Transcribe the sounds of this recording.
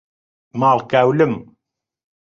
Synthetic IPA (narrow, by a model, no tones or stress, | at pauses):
maːlkawləm